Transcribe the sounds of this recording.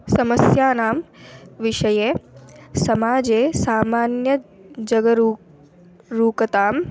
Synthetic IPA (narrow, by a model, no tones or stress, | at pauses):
sɐməsjaːnaːmʋɪʃɐje | sɐmaːd͡ʒeːsaːmaːnjɐ | d͡ʒɐɡɐɾ | ɾuːkɐt̪aːm